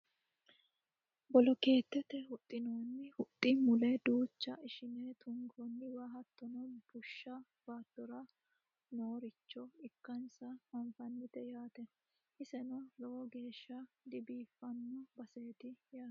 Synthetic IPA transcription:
bɔlɔke̞ːt̪ːɛt̪ːɛhʊt̪ʼːɪnoːnːɪhʊt̪ʼːɪmʊlɛd̪uːt͡ʃːɐɪʃɪneːt̪ʰʊŋɡoːnːɪwaːɦɐt̪ːɔnɔb̥ʊʃːɐ | b̥aːt̪ːɔɾɐ | noːɾɪt͡ʃːɔɪkːɐnsɐɐɱfɐnːɪt̪ɛjaːt̪ɛ | ʔɪsɛnɔlɔɔɡe̞ːʃːɐ | d̪ɪbiːfːɐnːɔbɐseːt̪ɪjaː

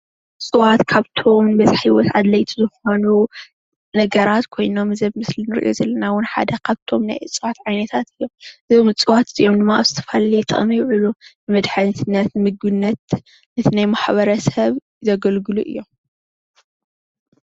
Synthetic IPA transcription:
t͡sʼɨwat̪kʰaβt̪ʰo̞mbɐzħiwɔt̪ʕad̪lɐjt̪ʰizɨxo̞nu | nɐɡɐɾat̪kʰo̞jno̞mːɨzɐβmɨslinɨɾʔijʔo̰zɐlːɐnawʊnħa̰d̪ɐkʰaβt̪ʰo̞mna̰jʔɨt͡sʼɨwat̪ʕajnɐt̪ʰat̪ɨjːo̞mɨzomɨt͡sʼɨwat̪ɨjomd̪ɨmːaʔa̰βzɨt̪ʰɐ̥falit̪ʼɨ̰χʼmijɪʕɨlunɨmɐd̪ħant̪ʰɨnːɐt̪mɨɡɨnːɐt̪ | nɨt̪ʰɨnajmaħβɐɾɐsɐβ | zɐɡɐlɡɨluʔɨ̰jːom

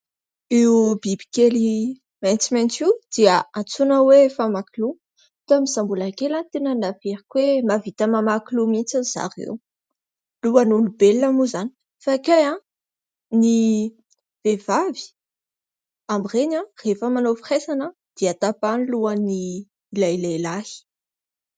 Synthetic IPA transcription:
eubibi̥keli | majnt͡simajnt͡siwd̪̥iəat͡sunəwefamakilu | t̪amizambulakelant̪enənaveɾikwemavit̪amamakilumint͡saz̥a̰rḛw | luanunibelnamuzani̥ | fakajã | ni | vevavi̥ | amirenãrefəmanofresanə | d̪̥iat̪apaniluaniː | lajlalahi̥

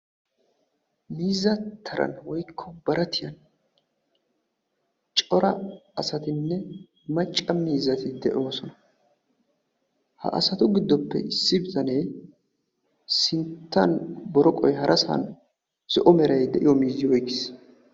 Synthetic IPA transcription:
miːzːɐt̪ʰːɐɾɐ̰nwɔjkʰːɔbɐɾɐt̪ɪjɐn | t͡ʃʼɔɾɐɐsɐt̪ɪnːɛ | mɐt͡ʃʼːɐmiːzːɐt̪ɪd̪ɛʔoːsɔnɐ | hɐ̰ʔɐ̰sɐt̪ʊɡɪd̪ːɔpːɛ̰ɪsːɪbɪzɐneː | sɪnt̪ːɐnbɔɾɔkʼɔjɦɐɾʔɐsɐ̰n | sɔʔɔmɛɾɐjd̪ɛʔɪjɔmiːzːɪwɔjkɪs

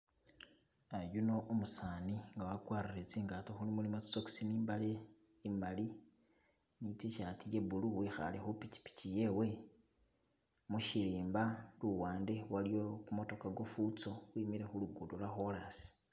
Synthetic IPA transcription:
ajuno̞ʔomusaːniŋɡawakwaːɾiret͡siːŋɡatoxulimulimat͡su̥soksiniːmbale | imali | nit͡siʃatije̞buluwixa̰le̞xupici̥pi̥cije̞we̞ | muʃiliːmbaluwaːnde̞walijo̞kumo̞to̞kaɡo̞fut͡so̞wiːmiɾe̞xuluɡudolwaxolasi̥

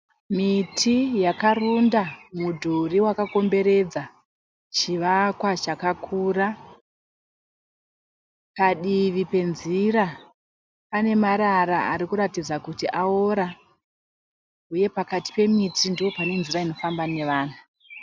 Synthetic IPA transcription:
mitʰijakarundamudʱuriwakako̞mbe̞ɾe̞d͡za | t͡ʃiʋakwat͡ʃakakʰura | paɗiʋipe̞nziɾa | pane̞maɾaɾaaɾikuɾatid͡zakutiʔaoɾa | uje̞pakati̥pe̞mitʰindiwo̞pane̞nziraino̞fambane̞ʋaːn̤u

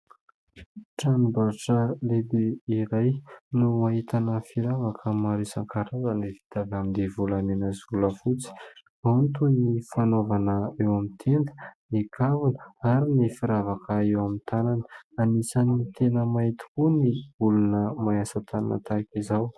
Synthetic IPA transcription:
ʈ͡ʂanibaʈ͡ʂəleb̪eiɾajnuaɦit̪anəfiɾavakʰəmaɾisaŋkaɾazənevi̥t̪avamind̪evulanenəzuləfut͡si̥ | aunt̪unnifanovanəewamit̪ʰend̪ə̥nikʰavunəaɾinifiɾavakəewamint̪ananəanisanit̪enəmait̪i̥kuniulunəmajasat̪ana̰nə̰t̪aikizaw

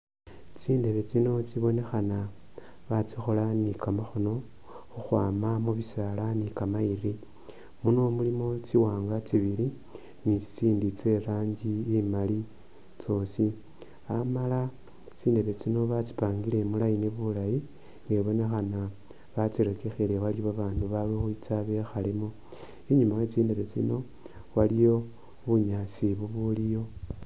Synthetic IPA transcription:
t͡siːnde̞βe̞t͡sino̞t͡siβo̞ne̞xana | βat͡sixo̞lanikamaxuno̞ | xuxwaːmamuβisalanikamairi | muno̞mulimo̞t͡siwaːŋɡat͡siβili | nit͡si̥t͡siːndit͡se̞ɾaːɲɟiimali | t͡so̞si | amala | t͡siːnde̞βe̞t͡sino̞βat͡si̥paːŋɡile̞mulajiniβulaji | ŋɡeβo̞ne̞xana | βat͡siɾekexele̞walioβaβaːnduβalexuit͡saβe̞xalemo | iɲumaet͡siːnde̞βe̞t͡sḭno̞ | walijo̞ | βuɲat͡siβuβulijo̞

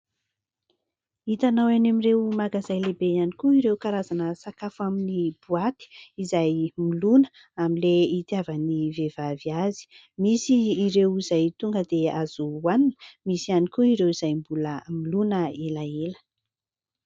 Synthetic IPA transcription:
it̪anawanamiɾewmaɡazajlebejanikuiɾewkaɾazanəsakafaminib̥uat̪i̥izajmilunə̥ | amileit̪javənivevaviazi̥ | misiːɾewizajt̪uŋɡəd̪eaz̥uːaninə̥misianikuiɾewiz̥ajmbuləmilunəelaelə̥

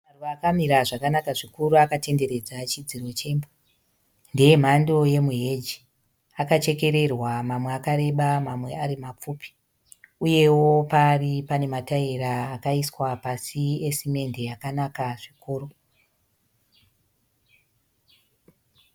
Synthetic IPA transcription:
maruʋaːkamiɾaʐakanakaʐikuɾuakate̞nde̞ɾe̞d͡zat͡ʃid͡ziro̞t͡ʃe̞ːmbo | ndeje̞m̤ando̞je̞muɦe̞d͡ʒi | akat͡ʃe̞ke̞ɾe̞rwamamweakaɾe̞ɓamamwe̞aɾimap͡fuːpi̥ | uje̞wo̞paːripane̞mataiɾaːkaiswapasiesime̞nde̞jakanakaʐikuːɾu

